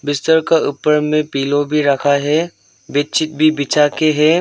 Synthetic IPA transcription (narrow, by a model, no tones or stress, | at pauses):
bɪst̪əɾkaʔʊpːəɾmẽpiːlõbʱiɾɐkʰaɦɛː | bet͡ʃʰɪt̪̚bʱibɪt͡ʃakeɦɛː